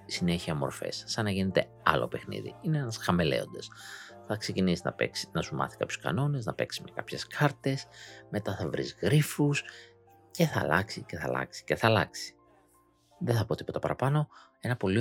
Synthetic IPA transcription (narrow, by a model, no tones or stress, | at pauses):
sine̞çiɐmo̞̰ɾfḛsːɐnɐʝine̞t̪e̞̰ | ɐ̰lo̞̰pe̞xnḭðḭineenɐsxɐme̞le̞̰o̞nd̪e̞s | θɐkse̞cinisinɐ̰pḛksinɐsumɐ̰θi̥kɐpçoskɐ̰no̞ne̞znɐpe̞ksi̥mekɐpçe̞skʰɐɾt̪e̞sme̞t̪ɐθɐvɾḭzɣɾifus | ce̞θɐ̰lɐksice̞θɐ̰lɐ̰ksi̥ceθɐlɐksi̥ | ðeθɐpo̞t̪i̥po̞t̪ɐpɐɾɐpɐno̞ | e̞nɐpo̞li